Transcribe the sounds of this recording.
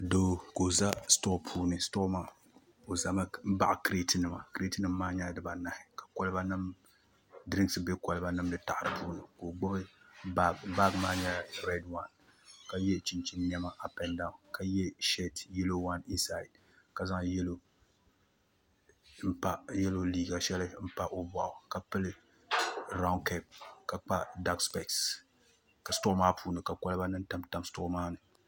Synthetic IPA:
do˦ko˨za˦stoː˦pʰuː˦nɨ˨stɔ˦ma˦ | o˨za˨ma˦m̩˦ba̰˦ʔa˨kɾe˦tɨ˦nɨ˨ma˨kɾe˦tɨ˦nɨ˦mː˦aː˦ɲɛ˦dɨ˨ba˨na˨hɪ˨kḁ˨kɔ˦lɨ˦ba˦nɨ˦m | dɨ˦ɾɨ˦ŋ˦sɨ˨bɛ˦kɔ˨lɨ˦ba˦nɨ˦mdɨ˨ta˨ʔɾɨ˨pʰuː˦nɨ˨ko˨ɡ͡bʊ˦bɨ˦ | ba˦ɡmaː˦ɲɛ˦ɾɛ˦dwa˦˨n | ka˦jɛ˦t͡ʃi˦nt͡ʃi˦nːɛ˦ma˦ʔa˨pɛ˦nda˨ka˨jɛ˦ʃe˦tju˦lo˦wa˦ni˦nsa˦˨ɪ˨d̚ | ka˨za˦ŋjɛ˦lo˦ | m̩˦pa˦jɛ˦lo˦liː˦ɡa˨ʃɛ˦lɨ˦m̩˦pa˦ʔo˦ba˨ʔʊ˨ka˨pɨ˦lɨ˦ | ɾa˦ʊ˦nkɛ˦˨p̚ka˨k͡pa˦da˦kspɛ˨ks | ka˨sto˦maː˦pʰuː˦nɨ˨ka˨ka˦lɨ˦ba˦nɨ˦n˦ta˦mta˦mstʊ˦ʔʊ˦maː˦nɨ˨

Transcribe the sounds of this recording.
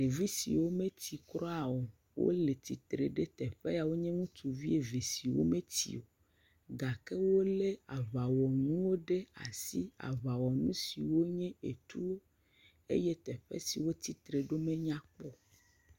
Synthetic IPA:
ɖe˨vi˦sḭ˨wo˦mẽ˦t̪ʰi˨kɾɔ˦a˨o˨ | wo̰˦le˨t̪i˨t̪ɾe˨ɖe˦t̪ɛ˨ɸe˦a˨wo˦ɲɛ̃˦ŋũ˦t̪ʰu˨vi˦e˨ve˨si˨wo̰˦mẽ˦t̪ḭ˨o˨ | ɡa˨ke˦wo˦le˦a˨va˨wɔ˨nũ˦wo˦ɖe˦a̰˨si˦a̰˨va˨wɔ˨nũ˦si˨wo˦ɲɛ̃˦e˨t̪u˦wo˦ | ḛ˦je˦t̪ɛ˨ɸḛ˦si˨wo˦t̪i˨t̪ɾe˨ɖo˦mẽ˦ɲã˦k͡pɔ˦

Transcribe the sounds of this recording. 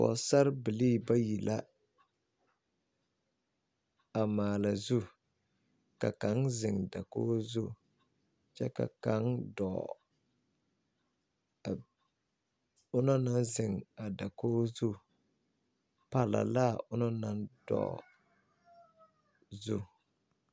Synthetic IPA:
fɔ̰˨sa˦ɾbɪ˨liː˦˨ba˦ji˨la˦ | a˨maː˨la˨zu˦ | ka̰˨ka˦ŋzɪ˨ŋda˨koː˦zu˦ | t͡ʃɛ˦ka̰˨ka˨˦ŋdɔ˨ | ʊ˦nɔ˦na˦nzɪ˨ŋa˨da˨koː˦zu˦ | pa˨la̰˨la˦ʊ˦nɔ˦na˦nd̥ɔ̰˨ | zu˦

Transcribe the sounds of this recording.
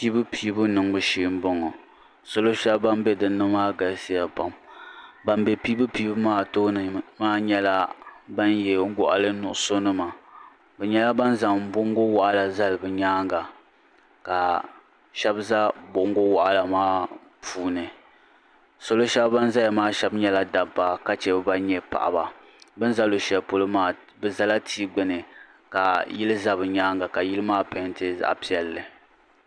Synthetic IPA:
piː˦bɨ˦pʰiː˦bʊ˦nɨ˨ŋbɨ˦ʃi˦m̩˦bɔ˦ŋɔ˨ | so˦lo˦ʃɛ˦bba˦mbɛ˦dɨ˨nːɨ˦maː˦ɡa˨lsi˦ja˨pa˨mba˦mbɛ˦piː˦bɨ˦piː˦bɨ˦maː˦˨to˦nɨ˨maː˦ɲɛ˦la˦ba˦njɛ˨ŋ̩˦ɡʊ˨ʔa̰˨lɨ˦nʊ˨ʔʊ˦so˦nɨ˦ma˨ | bɛ˨ɲɛ˦la˦ba˦nza˨m̩˨˦bʊ˦ŋɡo˦wa˨ʔa˦la˨za˦lɨ˨bɨ˨ɲaː˦ŋɡa˨ | ka˨ | ʃɛ˦bza˦bo˨ŋɡo˦wa˨ʔa˦la˨maː˦ | pʰuː˦nɨ˨ | so˦lo˦ʃɛ˦bba˦n˦za˦ja˨maː˦ʃɛ˦bɲɛ˦la˦da˨bːa˨ka˦t͡ʃɛ˨bɨ˦ba˦ɲɛ˦pa̰˨ʔa̰˨ba˨ | bɨ˦n˦za˦lo˨ʃɛ˨lpo˦lɨ˦maː˦˨ | bɛ˦za˦la˦tʰiː˦ɡ͡bɨ˦nɨ˨ | ka˨jɪ˦lɨ˦za˦bɨ˨ɲaː˦ŋɡa˨ka˨jɪ˦lɨ˦maː˦pɛ˨˦ntɨ˦za̰˨ʔpi˦ɛ˦lːɨ˨

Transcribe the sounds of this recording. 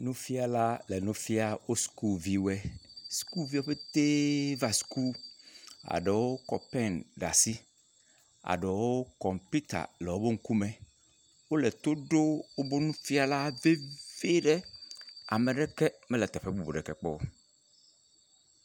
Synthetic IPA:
nũ˦fi˦a˨la˦lɛ˨nũ˦fi˦a˦wo˦sku˦˨vi˦wɛ˦su̥˨ku˦vi˦wo˦ɸe˦t̪e˦va˦su̥˨ku˦ | a̰˨ɖe˨wo˦kɔ̰˨pɛ˦nɖa̰˨si˦ | a̰˨ɖe˨wo˦kɔ˨mpi˦t̪a̰˨lɛ˨wo˦be˦ŋ̩˦ku˦mẽ˨ | wo˦lɛ˨t̪o˦ɖo˦wo˦bo˦nũ˦fi˦a˨la˦ve˦ve˦ɖɛ˦a̰˨me˨ɖɛ˦kɛ˦mɛ˦lɛ˨t̪ɛ˨ɸɛ˦bu˨bo˨ɖɛ˨kɛ˨k͡pɔ̰˦

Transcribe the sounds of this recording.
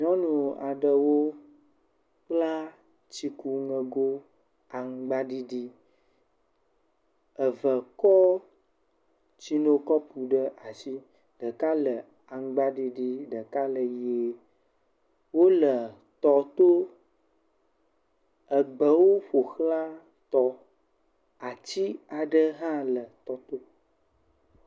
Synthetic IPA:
ɲɔ̃˦nũ˨a̰˨ɖə˨wo˦ | k͡pla˦ | t͡ɕi˦ku˦ŋə̃˨ɡo˦ | a˨ŋ˦ɡ͡ba˦ɖi˦ɖi˦ | ə˨və˨kɔ˦ | t͡ɕi˦no˦kɔ˦pu˨ɖə˦ʔa˨si˦ | ɖ̥ə˨ka˦lə˨ | a˨ŋ˦ɡ͡ba˦ɖi˦ɖi˦ɖə˨ka˦lə˨je˦ | wo˦lə˨ | t̪ɔ˨t̪o˦ | ə˨ɡ͡bə˨wo˦ɸo˨xla˦ | t̪ɔ˦ | a˨t͡ɕi˦a˨ɖə˦ɦã˦lə˨t̪ɔ˨t̪o˦

